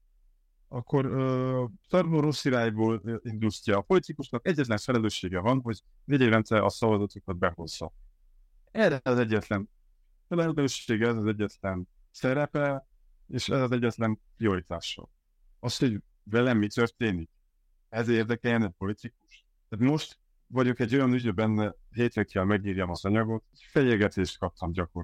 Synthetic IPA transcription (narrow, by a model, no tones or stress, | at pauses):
ɒkːo̞ɾøːsɒrmoɾosiɾaːjboːlind̪ustɒːpo̞lit̪ikuʃnɒkɛɟːɛt̪lɛɱfɛlɛløːʃːeːɡɛvɒnɦoɟ | veːɟiɾrɛnt̪sɛʔɒsɒvɒzot̪okɒd̪̚bɛho̞̰z̥ːɒ̰ | ɛɾɛɒzɛɟːɛt̪lɛn | fɛlɛløːʃeːɡɛɛzɒzɛɟːɛt̪lɛn | sɛɾɛpɛ | eːʃɛzɒzɛɟːɛt̪lɛnprio̞ɾit̪aːʃɒ̰l | ɒsho̞ɟ | vɛlɛmːit̪ø̞rt̪eːnik̚ | ɛzeːrd̪ɛkɛljɛnɛpo̞lit̪ikuʃ | t̪aːt̪mo̞ʃt̪ | vɒɟo̞kɛɟːo̞jɒnyɟøbɛnːɛɦeːt̪ɾɛkːɛlmɛɡɲiːɾjɒmɒzɒɲɒɡo̞t̪ | fɛliːɡɛt̪eːʃt̪kɒp̚t̪ʰɒmɟɒko